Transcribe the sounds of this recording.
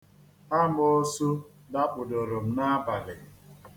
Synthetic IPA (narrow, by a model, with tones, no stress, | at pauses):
a˦m˦o˦su˦ | da˦k͡pʊ˨do˨ɾo˨m̩˨na˦ba˨lɪ˨